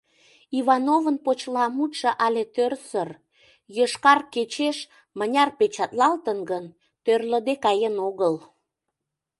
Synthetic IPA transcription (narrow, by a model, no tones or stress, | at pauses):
iβɑnovənpot͡ɕlɑmut̪ʃə̆ʔɑlet̪ørsər | jəʃkɑrket͡ɕeʃ | mənʲɑrpet͡ɕɑt̪lɑlt̪ənɡən | t̪ørləd̪ekɑjenoɣəl